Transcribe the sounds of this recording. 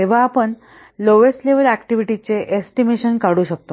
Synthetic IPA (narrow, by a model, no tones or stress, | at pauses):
t̪eʋ̤aːpəɳ | loʋesʈleʋəlækʈiʋiʈit͡seʔesʈimeɕənkaɽuːɕək̚t̪o